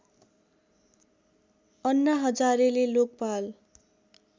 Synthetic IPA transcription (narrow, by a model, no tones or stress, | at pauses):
ʌnːʌɦʌd͡zaɾelelok̚pal